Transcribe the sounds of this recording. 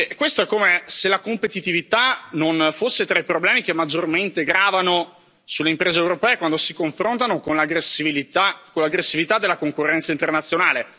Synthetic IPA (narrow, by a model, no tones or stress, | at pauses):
ɛkːwest̪oɛkːomeselakompet̪it̪ivit̪anonfosːet̪ɾaipɾoblɛːmik̟emːad͡ʒːorment̪eɡɾaːvano | sulːeimpɾeːzewɾopɛːekwand̪osikoɱfɾont̪anokonlaɡɾesiiiakolaɡɾesːivit̪ad̪ːelːakoŋkorːɛnt̪saint̪ernat̪sjonaːle